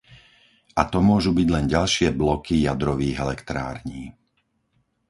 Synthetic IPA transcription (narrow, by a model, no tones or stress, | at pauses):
ʔat̪ɔmʊɔʒubiɟlɛnɟalʃɪɛblɔkijad̪ɾɔʋiːɣɛlɛkt̪ɾa̰ːɾɲiː